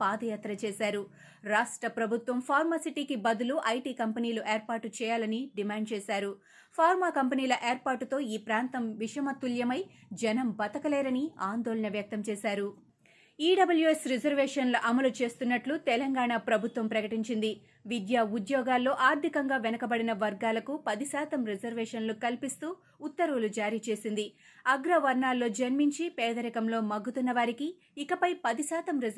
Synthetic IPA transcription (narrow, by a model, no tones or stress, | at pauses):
paːd̪ɐjaːt̪ɾɐt͡ʃɛːsaːɾu | ɾaːʂʈɾɐpɾɐbʱut̪ʋɐmpʰaːɾmaːsiʈiːkibɐd̪uluʔɐjʈiːkɐmpɐniːluʔeːɾpaːɾʈːut͡ʃɛːjaːlɐniɖimaːɳɖ̚t͡ʃɛːsaːɾu | pʰaːɾmaːkɐmpɐniːlɐʔeːɾpaːɾʈːut̪o̞ːiːpɾaːnt̪ɐmʋiʂɐmɐt̪ːuljɐmɐjd͡ʒɛnɐmbɐt̪ɐkɐlɛːɾɐniaːnd̪oːlɐɳɐʋjɐk̚t̪ɐmt͡ʃɛːsaːɾu | iːɖɐbɐljuesɾid͡ʒɐɾʋɛːʂɐnluʔɐmɐlut͡ʃe̞ːst̪unːɐʈlut̪ɛlɐŋɡaːɳaːpɾɐbʱut̪ʋɐmpɾɐkɐʈiɲt͡ʃind̪i | ʋid̪jaːud̪jɔːɡaːlːo̞ːʔaːɾt̪ikɐŋɡaːʋɛnɐkɐbɐɽinɐʋɐɾɡaːlɐkupɐd̪isaːt̪ɐmɾid͡ʒɐɾʋɛːʂɐnlukɐlpist̪uː | t̪ːɐɾuːlud͡ʒaːɾiːt͡ʃe̞ːsind̪iɐɡɾɐʋɐɾɳaːlːo̞ːd͡ʒɐnmiɲt͡ʃipɛːd̪ɐɾɛkɐmlo̞ːmɐɡːut̪unːɐʋaːɾikiː | kɐpɐjpɐd̪isaːt̪ɐmɾi